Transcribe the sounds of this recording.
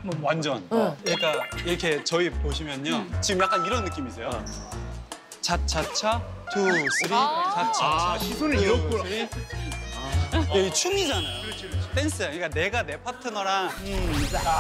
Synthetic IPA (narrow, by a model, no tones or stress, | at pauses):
wand͡ʑʌnɲik͈aiɾʌkʰe̞t͡ɕʌipoɕʰimjʌɲot͡ɕiɡɯmjak͈aniɾʌnːɯk͈imisʰejo | t͡ɕat͡ɕʰat͡ɕʰa | tʰus͈ʰɯɾit͡ɕat͡ɕʰaaisonsɯɾi | eit͡ɕʰuŋid͡ʑanajjot͈ens͈ʰɯaɲik͈aneɡane̞pʰatʰɯnʌɾa